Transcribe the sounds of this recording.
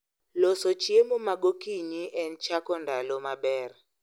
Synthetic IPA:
lɔsɔt͡ʃʰiɛmumaɡokʼiɲiʔɛnt͡ʃʰakʰʼɔndʱalɔmaɓɛːrɛ

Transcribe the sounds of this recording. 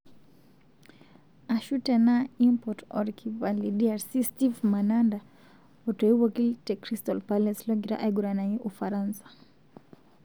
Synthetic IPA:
aʃutɛnaimpɔtɔ̰ɾkʰivalidiaɾsistivmananda | ɔtɔiwɔkiltɛkɾistɔlpalɛslɔɡiɾa̰ʔajɡuɾanaiʔufaɾansḁ

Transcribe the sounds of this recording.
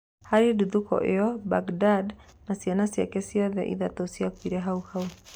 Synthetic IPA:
haɾiduðukɔ̰ʔeɔbaɡdad | nasianasja̰kɛsiɔðɛ̰ʔḭðatɔsiakwiɾɛɦauhau

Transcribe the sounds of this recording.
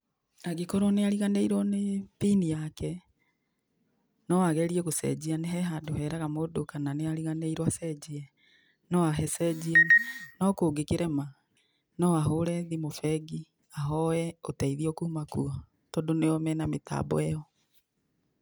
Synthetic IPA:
aɡekɔɾɔneaɾiɣaneiɾwɔnepinijakɛ | nɔaɣɛɾiɛɣosɛ̰d͡ʑianeɦɛɦadoɦɛɾaɣamodokananeaɾiɣaneiɾwasɛd͡ʑiɛ | nɔaɦɛsɛd͡ʑiɛnɔkoːɡekeɾɛma | nɔaɦoɾɛðimofɛɡi | aɦɔɛotɛiðiɔkumakua | tɔdoneɔmɛnameta̰bɔ̰ɛjɔ

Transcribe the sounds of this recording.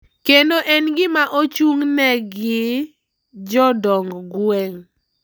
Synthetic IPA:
kendoʔɛnɡɪmaʔot͡ʃuŋnɛɡɪ | d͡ʒɔdɔŋɡɡwɛŋ

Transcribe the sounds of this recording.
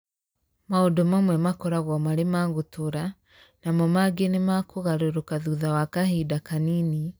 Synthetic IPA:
maodɔmamwɛmakɔɾaɣwɔmaɾemaːɣotoɾa | namɔmaɡenemakoɣaɾoɾokaðuðawakahidakanini

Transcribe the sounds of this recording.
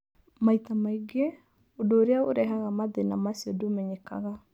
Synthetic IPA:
maitamaiɡe | odoːɾeaoɾɛɦaɣamaðenamasiɔdomɛɲeka̰ɣa

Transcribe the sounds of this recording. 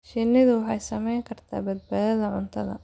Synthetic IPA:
ʃinɪðʊwɑħɑjsɐmɛjŋkʰɐrt̪ʰa̰ːbɐd̪baːðɐðɐʕʊnt̪ʰɐðɐ̰

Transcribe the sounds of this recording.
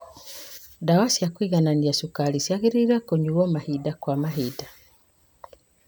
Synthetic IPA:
dawasiakwiɣananiasukalisjaɣiɾiɾakoɲuɔmahidakwamaɦida

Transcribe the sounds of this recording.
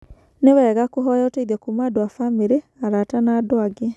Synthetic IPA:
newɛːɣakoɦɔjɔtɛiðɛkumadoafameɾe | aɾatanaːdoaɡe

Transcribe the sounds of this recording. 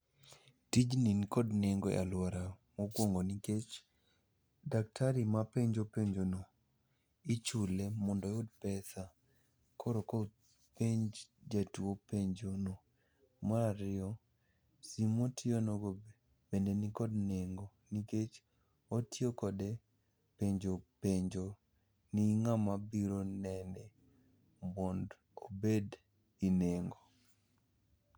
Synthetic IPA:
tid͡ʒninikɔdneŋɡɔjʔa̰lwaɾamokwoŋɡoniket͡ʃ | dak̚tʰaɾimapeɲd͡ʒopeɲd͡ʒono | it͡ʃulemɔndɔjʊdpɛsa | kʰɔɾɔkɔ | peɲd͡ʒd͡ʒatuopeɲd͡ʒono | maɾaɾɪɔ | simotɪonoɡo | bendenikɔdneŋɡoniket͡ʃ | otjokɔde | peɲd͡ʒopeɲd͡ʒo | niŋamabiɾonɛnɛ | mɔnd | obed | ineŋɡo

